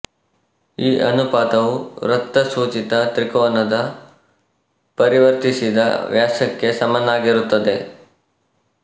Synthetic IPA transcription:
iːʔɐnupaːt̪ɐʋuɾɐt̪ːɐsuːt͡ʃit̪ɐt̪ɾikɔːnɐd̪ɐ | pɐɾiʋɐɾt̪isid̪ɐ̰ʋjaːʃɐkːe̞sɐmɐnːaːɡiɾut̪ːɐd̪e̞

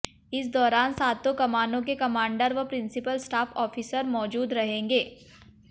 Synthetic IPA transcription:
ɪsd̪ɔːɾaːnsaːt̪ːokɐmaːnõk̬ekɐmãːɳɖəɾʋɐpɾɪ̃nsɪpəlsʈaːfʰɔːfiːsəɾmɔːd͡ʒuːd̪ɾɐɦẽːŋɡeː

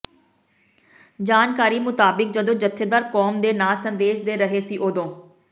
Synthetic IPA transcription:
d͡ʒaːnkaːɾiːmʊt̪aːbɪk̚d͡ʒəd̪õːd͡ʒət̪ʰːeːd̪aːɾkɔːmd̪eːnaːsənd̪eːʃd̪eːɾəɦeːsiːʔoːd̪õː

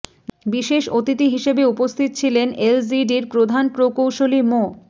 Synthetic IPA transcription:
biʃeʃot̪it̪iɦiʃebeupost̪ʰit̪ot͡ɕʰilenʔelsiɖiɾpɾod̪ʱanpɾokowʃolimo

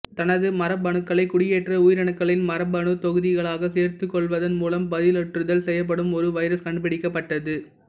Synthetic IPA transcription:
t̪ɐnɐðɯmɐɾɐbɐɳɯkːɐɭɐɪkːʊɽɪjeːʈrɐujɪɾɐɳɯkːɐɭɪnmɐɾɐbɐɳɯt̪ɔɣɯðɪɣɐɭaːɣɐseːɾt̪ɯkːɔɭʋɐðɐnmuːlɐmbɐðɪlɔʈrɯðɐlsɛjːɐp̬ːɐɽɯmɔɾɯʋɐɪɾɐskɐɳɖɯpɪɽɪkːɐpːɐʈːɐðɯ

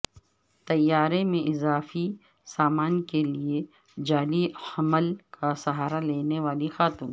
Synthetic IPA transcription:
t̪ɐjːaːɾemẽʔɪzaːfi | saːmaːnkelie | d͡ʒaːliɐməlkʰasɐɦaːɾaleːneʋaːlixaːt̪uːn

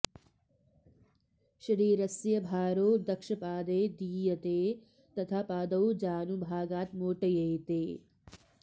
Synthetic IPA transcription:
ʃɐɾiːɾɐsjɐbʱaːɾoːd̪ɐkʃɐpaːd̪eːd̪iːjɐt̪eː | t̪ɐt̪ʰaːpaːd̪ɐwd͡ʒaːnubʱaːɡaːt̪moːʈɐjɐjt̪eː

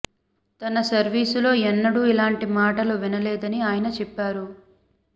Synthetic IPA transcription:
t̪ɐnɐsɐɾʋiːsulo̞ːɛnːɐɽuilaːɳʈimaːʈɐluʋinɐlɛːd̪ɐniaːjɐnɐt͡ʃɛpːaːɾu

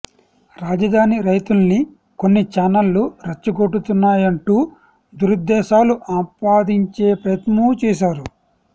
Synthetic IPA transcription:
ɾaːd͡ʒɐd̪ʱaːniɾɐjt̪ulni | ko̞nːit͡ʃaːnɐlːuɾɐt͡ʃːuɡo̞ʈːut̪unːaːjɐɳʈuː | d̪uɾud̪ːɛːʃaːluʔaːmpaːd̪iɲt͡ʃe̞ːpɾɐjɐt̪mut͡ʃɛːʃ̬aːɾu

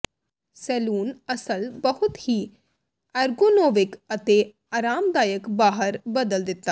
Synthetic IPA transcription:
sɛːluːnɐsəlbɐɦʊt̪hi | ɐɾɡonoːʋɪkɐt̪e | aːɾaːmd̪aːjəkbaːɦəɾbɐd̪əld̪ɪt̪ːaː

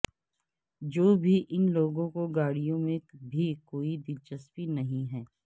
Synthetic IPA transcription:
d͡ʒoːbʱiʔɪnloːɡõkoɡaːɽijõmẽbʱikoːid̪ɪt͡ʃəspinɐɦĩɦɛː

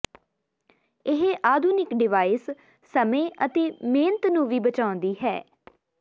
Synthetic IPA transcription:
ɪɦʔaːd̪ʱuːnɪkɖɪʋaːisː | əmẽːʔət̪eːmẽːnət̪nũːʋiːbət͡ʃaːʊ̃nd̪iːɦɛː

